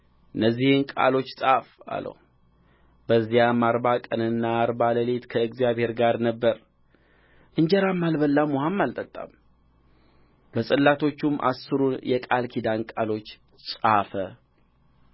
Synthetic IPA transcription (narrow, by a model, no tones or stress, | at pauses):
ʔɨnːəzːihɨnkʼa̰lo̞t͡ʃːsʼafa̰lə̰ | b̥əzːijamːaɾbakʼənɨnːaːɾbaləlet̪kʰəɨɡzjaβhe̞ɾɡaɾnəbːəɾ | ʔɨɲd͡ʒɛɾamːalbəlːamuhamːalt̪ʼət̪ʼːa̰m | bəsʼɨlːat̪ʰo̞t͡ʃːumʔa̰sːɨɾunjɛkʼalkʰid̪ankʼalo̞t͡ʃː | sʼafə